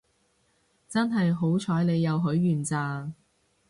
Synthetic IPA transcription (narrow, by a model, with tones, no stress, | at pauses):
t͡sɐ˥nɦɐ˨jɦo˨˥wt͡ʃʰɔː˨˥jle˨˧jːɐ˨˧wɦɵ˨˥ɥːyː˨nt͡saː˨˧